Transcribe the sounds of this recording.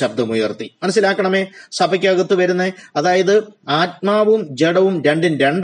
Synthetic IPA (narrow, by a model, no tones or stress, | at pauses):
ɐb̚d̪ɐmujɐrt̪imɐnɐsːilaːkːɐɳɐme̞ːsɐbʱɐkʲːaɣɐt̪ːuʋɐɾunːeɐðaːjɐðɨaːt̚maːʋumd͡ʑeɽɐʋumɾe̞ɳɖinɾe̞ɳɖ